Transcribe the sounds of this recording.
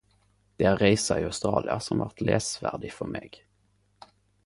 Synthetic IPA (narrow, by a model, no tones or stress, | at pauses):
d̪̥ɛæɾːɛɪsaɪast̪ɾɑːlʔɪasɔmvaɾt̪leːsvæːɖɪfœɾmeːɡ